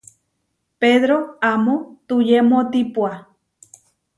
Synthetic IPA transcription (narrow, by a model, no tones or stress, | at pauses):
peðɾoamõt̪ujemot̪ipwa